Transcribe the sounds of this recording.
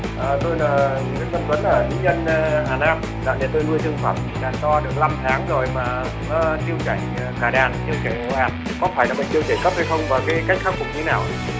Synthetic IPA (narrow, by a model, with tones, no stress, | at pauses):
ʔəː˨˩t̪o˧jlaː˨˩˨ | t̪ə˧və˨˦nʔəː˧˩t̪ʰi˨˦ɲə˧nː˧ɦaː˨˩naː˧m | ɗa̰ː˧˥ɗe˧˩t̪o˧jnu˧əjt͡ɕɨ˧ŋfaː˧˩m̚ɓḭ˧˨ɗaː˨˧˩t̪ɔ˧ɗɨ˨˩ək̚la˧mt̪ʰaː˨˦ŋzo˨˩jmaː˨˩˧ | t̪i˧əwt͡ɕa˧˩jŋ̟ː˨˩kaː˧˩ɗaː˨˩nt̪i˧ə˧wt͡ɕa˧˩˨ʔaː˨˩n̚ | kɔ˨˦faː˧˩jlaː˨˩ɓə̰˧˨ŋt̪i˧wt͡ɕ̪e˧˩kə˦˥p̚ha˧jxə˧wŋ͡mvaː˨˩wkaː˨˦ka˦˥jk̚xʰaː˦˥wfʊ˨˩k͡p̚ɲɨ˧˨˧naː˨˩wʔ